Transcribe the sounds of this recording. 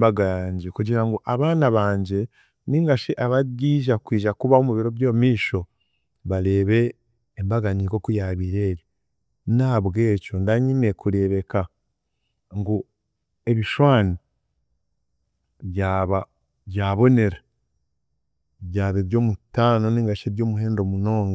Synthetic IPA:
baɡaːɲɟekuɟiɾaŋɡuʔaβaːnaβaːɲɟe̞ | niŋɡaʃeʔaβaɡiːʒakwiːʒakuβaomuβiɾo̞βjo̞ːmiːʃo̞ | βaɾe̞ːβe̞ː | mbaɡaniko̞kujaβiɾeːɾi | naːβɡe̞ːco̞ndaɲine̞kuɾe̞βe̞ka | ŋɡu | e̞βiʃwaːni | βjaβa | βjaːβo̞ne̞ɾa | βɟaːβiɾɟo̞ːmutaːno̞niːŋɡaʃeɾɟo̞ːmuɦe̞ːndo̞muno̞ːŋɡa

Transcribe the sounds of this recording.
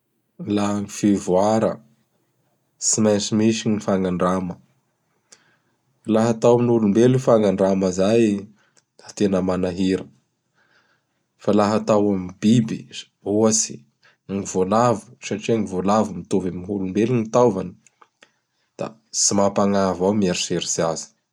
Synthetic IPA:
laŋifivuaɾə̰ | simajsimiʃiɲifaŋaɳɖ͡ʐamə | alaɦat̪awaminulumbeluifaŋaɳɖ͡ʐaməzaj | at̪enəmanaɦiɾə | falaɦat̪awamibibi | uasi̥ | ŋivolavu̥saʈ͡ʂiaŋivolavumit̪ovamiɦulumbelinit̪awvani̥ | d̪̥a̰ | simapaŋavawmiaɾseɾizazi̥

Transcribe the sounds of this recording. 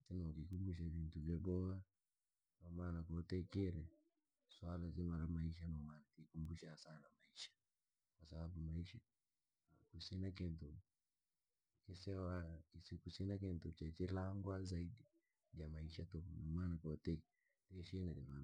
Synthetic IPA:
tɛnakikumbuʃ̬avintuvjɔɓɔa | kamaːnakɔtɛkɛɾɛ | swalazimaɾamaiʃanɔmaːnakikumbuʃasanamaiʃḁ | kwasaɓaɓumaiʃa | kusinakɛntu | kisɛwaisikusinak̬ɛntut͡ʃɛt͡ʃɛlaŋɡwazaiɗi | d͡ʒamaiʃatɔkɔnɔmaːnakɔtɛ | tɛʃinad͡ʒamana

